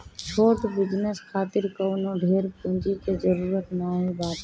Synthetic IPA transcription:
t͡ʃʰoːʈbɪd͡ʒnəsxaːt̪ɪɾkɐwnõɖʱeːɾpʊ̃ːd͡ʒikezəɾuːɾət̪mẽaːɦebaːt̪

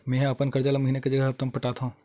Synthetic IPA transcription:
mɛ̃ːɦɐpənkɐɾd͡ʒaːlamɐɦiːneked͡ʒɐɡɛɐb̚t̪ɐmpɐʈaːt̪aɦũː

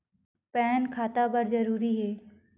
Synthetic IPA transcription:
pɛːnkʰaːt̪abɐɾzɐɾuːɾiɦɛː

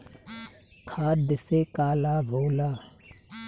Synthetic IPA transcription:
kʰaːd̪əseːkaːlaːboːlaː

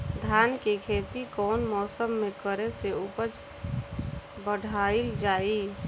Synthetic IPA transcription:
d̪ʱjaːnkekʰeːt̪ikɔːnmɔːsəmːẽkəɾeseʊpət͡ʃ | bəɽ̤ʱaːild͡ʒaːi

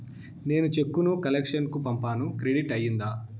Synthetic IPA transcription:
ne̞ːnut͡ʃe̞kːunukɐlekʂɐnkupɐmpaːnukɾeɽiʈɐjːind̪aː

